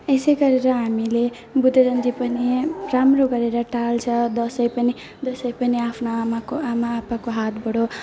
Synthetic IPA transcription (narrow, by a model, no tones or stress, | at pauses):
esʌjɡʌɾeɾʌɦamile | bud̪ʱeɾʌnd͡zipʌniramroɡʌɾeɾʌʈalt͡sʰʌd̪ʌsʌjpʌni | d̪ʌsʌjpʌniapʰnaamakoamaːpakoɦat̪bʌɽo